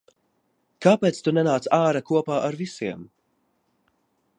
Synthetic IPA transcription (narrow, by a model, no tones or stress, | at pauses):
kaːpeːt̪st̪unɛnaːt̪saːɾakuɔpaːʔaɾvisiɛm